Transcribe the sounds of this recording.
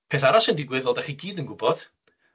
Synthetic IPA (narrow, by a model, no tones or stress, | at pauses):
pʰeːθaɾasəndɪɡwɨðvɔlˠdaχiɡiːdənɡʊbɔð̥